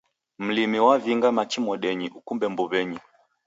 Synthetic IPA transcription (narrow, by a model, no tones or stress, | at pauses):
m̩limiwaviŋɡamat͡ʃimɔɗɛɲiʔukumbɛmbɔβɛɲi